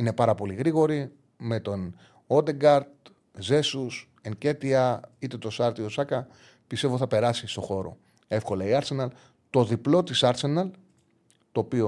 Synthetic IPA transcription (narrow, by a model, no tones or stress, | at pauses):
ine̞pɐɾɐpo̞liɣɾiɣo̞ɾi | me̞t̪o̞n | od̪e̞ɡɐɾd̪ | ze̞sus | eŋce̞t̪iɐit̪e̞t̪o̞sɐɾt̪io̞sɐkɐ | pist̪e̞voθɐpe̞ɾɐsist̪o̞xo̞ɾo̞̰ | e̞fko̞lɐiɐɾse̞nɐl | t̪o̞ðiplo̞t̪isɐɾse̞nɐl | t̪o̞ːpio